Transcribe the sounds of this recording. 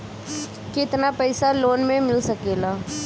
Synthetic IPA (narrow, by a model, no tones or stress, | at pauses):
kɪt̪napɛɪsaloːnmẽmɪlsɐkeːlaː